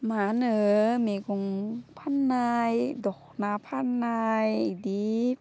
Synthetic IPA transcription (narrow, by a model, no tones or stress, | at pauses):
maːnəmikoŋpʰanːajdɔk̚naːpʰanːajdip̚